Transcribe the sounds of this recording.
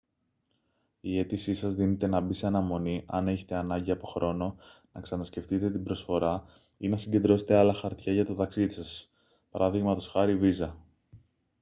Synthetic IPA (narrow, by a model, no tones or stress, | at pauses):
ie̞t̪isisɐzðine̞t̪e̞nɐbiseɐnɐmo̞niʔɐ̰ne̞çe̞̥t̪e̞ɐnɐɲɟiɐpo̞xɾo̞no̞nɐksɐnɐsce̞ft̪it̪e̞t̪ibɾo̞sfo̞ɾɐ | inɐsiɲɟe̞nd̪ɾo̞set̪eɐlɐxɐɾt̪çɐʝɐt̪o̞t̪ɐksiðisɐs | pɐɾɐðiɣmɐt̪o̞sxɐɾivizɐ